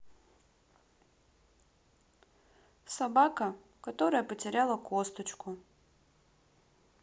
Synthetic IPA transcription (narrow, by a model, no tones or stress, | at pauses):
sɐbakə | kɐt̪o̞ɾəjəpətʲɪɾʲalˠəkost̪ət͡ɕkʊ